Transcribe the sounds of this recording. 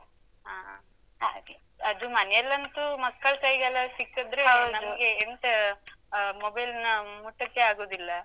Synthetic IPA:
a | ɐd̪umɐnjɛlːɐnt̪umɐkːɐɭkɐjɡɛlːɐsikːɐd̪ɾenɐmɐɡe̞ɦent̪e | mobɐjlnɐmuʈːɐkːe̞aːɡoːd̪ilːɐ

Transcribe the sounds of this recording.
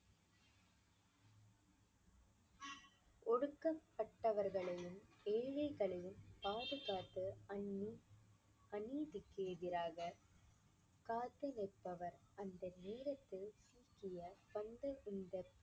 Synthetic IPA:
ʔɔɽɯkːɐpːɐʈːɐʋɐɾɣɐɭɐjɯmeːɻɐɪɣɐɭɐjɯmpaːðɯɣaːt̪ːɯɐnːi | ʔɐniːðɪkːeːðɪɾaːɣɐ | kaːt̪ːɯnɐpːɐʋɐɾɐnd̪ɐneːɾɐt̪ːɯsiːkɪjɐpɐnd̪ɐʔʊnd̪ɐt̪ː

